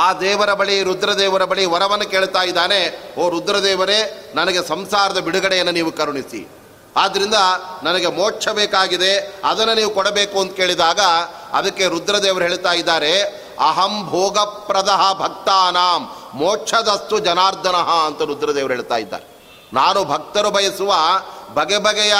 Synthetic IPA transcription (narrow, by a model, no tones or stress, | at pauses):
aːd̪ɛːʋɐɾɐbɐɭiɾud̪ɾɐd̪ɛːʋɐɾɐbɐɭiʋɐɾɐʋɐnːɐkeːɭt̪aːjid̪ːaːne̞oːɾud̪ɾɐd̪ɛːʋɐɾenɐnɐɡesɐmsaːɾɐd̪ɐbiɽuɡɐɽejɐnːɐniːʋukɐɾuɳisḭ | aːd̪ːɐɾind̪ɐnɐnɐɡemoːʈt͡ʃʰɐbeːkaːɡid̪e̞ɐd̪ɐnːuniːʋukɔɽɐbeːkuɐnt̪ukeːɭid̪aːɡɐ | ɐ̰d̪ɐkːe̞ɾud̪ɾɐd̪ɛːʋɐɾeɦeːɭt̪aːjid̪ːaːɾe | ɐɦɐmbʱoːɡɐpɾɐd̪ɐɦɐbʱɐk̚t̪aːnaːmː | oːt͡ʃʰɐd̪ɐst̪ud͡ʒɐnaːɾd̪ʱɐnɐɦɐɐnt̪ɐɾud̪ɾɐd̪ɛːʋɐɾeɦeːɭt̪a̰ːjid̪ːa̰ːɾe | naːnubʱɐk̚t̪ɐɾubʱɐjɐsuʋɐbʱɐɡɛbʱɐɡɛjɐ